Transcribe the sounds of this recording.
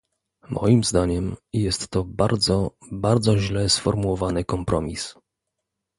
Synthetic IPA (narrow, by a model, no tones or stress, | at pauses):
mʔɔ̰jimzd̪aɲɛmjɛst̪ːɔbaɾd̪zɔbaɾd̪zɔʑlɛsfɔɾmuwɔvanɘkɔmpɾɔmʲis